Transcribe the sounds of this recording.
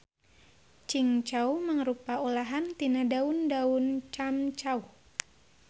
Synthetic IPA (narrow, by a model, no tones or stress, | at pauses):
t͡ʃiŋt͡ʃauməŋɾupaulaɦant̪inadaundaunt͡ʃamt͡ʃau